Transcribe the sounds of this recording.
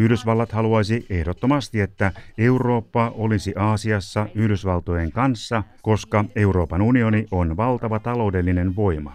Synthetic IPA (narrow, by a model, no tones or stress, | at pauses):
yhdøsʋɑlːɑt̪hɑluɑjsie̞hdot̪ːo̞mɑst̪ie̞t̪ːæe̞uro̞ːpːɑʔo̞lisiʔɑːsiɑsːɑyhdøsʋɑlt̪ojeŋkɑnsːɑko̞skɑe̞uro̞ːpɑnunio̞niʔonʋɑlt̪ɑʋɑt̪ɑlo̞ːdelːinenʋo̞imɑ̰